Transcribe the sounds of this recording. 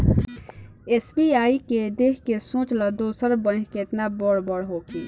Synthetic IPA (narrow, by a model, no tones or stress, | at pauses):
eːsbiaːiked̪eːkkesõːt͡ʃlad̪oːsəɾbə̃nkʰket̪nabɔɽbɔɽɦoːkiː